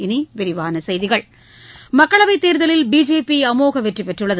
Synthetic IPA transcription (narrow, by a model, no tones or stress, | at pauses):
ɪniʋɪɾɪʋaːnɐsɐjðɪɣɐɭ | mɐkːɐɭɐʋɐɪt̪ːeːɾðɐlɪlbiːd͡ʒeːpiɐmoːɣɐʋɛʈripːɛʈrɯɭːɐðɯ